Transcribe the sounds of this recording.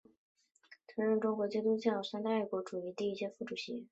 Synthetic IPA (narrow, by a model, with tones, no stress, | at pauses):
t̪ʰɤ˧˥ɻə˥˩nʈ͡ʂʊ˥ŋkwɔ˧˥t͡ɕɛ˥t̪u˥t͡ɕjɑ˥˩ʂa˥nt̪a˥˧i˥˩kwɔ˧˥ʈ͡ʂu˨˩i˧˥t̪i˥˧i˥˩ɕjɛ˥fu˥˩ʈ͡ʂu˨˩ɕi˧˥